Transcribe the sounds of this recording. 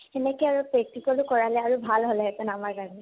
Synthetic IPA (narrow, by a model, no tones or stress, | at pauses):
ɛnɛkɔjaɹupɹɛk̚tikɔlukɔɹalɛaɹubʱalɦolɛɦɛtɔnamaɹkaɹni